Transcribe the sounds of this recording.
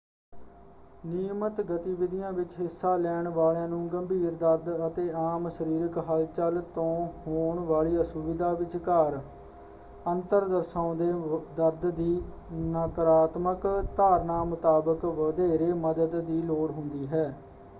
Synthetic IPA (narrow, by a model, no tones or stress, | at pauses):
niːmət̪ɡət̪iːʋɪd̪ɪjãːʋɪt͡ʃɦɪsːaːlɛːɳʋaːljãːnũːɡəmbʱiːɾd̪əɾd̪ət̪eːaːmsəɾiːɾəkɦəlt͡ʃəlt̪õːhoːɳʋaːɭiːəsʊʋɪd̪aːʋɪt͡ʃkaːɾ | ənt̪əɾd̪əɾsãːd̪eːd̪əɾd̪d̪iː | nəkəɾaːt̪məkt̪aːɾnaːmʊt̪aːbəkʋəd̪eːɾeːməd̪əd̪ːiːloːɽɦʊnd̪iːɦɛː